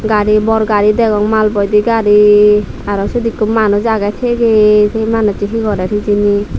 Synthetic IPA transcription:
ɡaɾibɔɾɡaɾid̪ɛɡɔŋmalbɔjd̪iɡaɾi | aɾɔsud̪ikːumanɔzaɡajtʰeɡesejmanɔtiɦiɡɔɾaɾʰizini

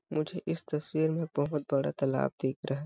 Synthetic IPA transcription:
mʊd͡ʒʱeʔɪst̪ɐswiːɾmẽbɐɦʊt̪̚bɐɽa̰t̪ɐla̰ːb̚d̪eːkʰɾʔɐɦa

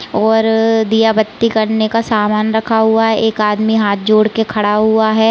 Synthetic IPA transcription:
ɔːɾd̪ijabət̪ːikɐɾnekasaːmaːnɾɐkʰaɦuaɦɛʔeːkaːd̪miɦaːt̪̚ʰd͡ʒoːɽkekʰɐɽaɦuaɦɛː

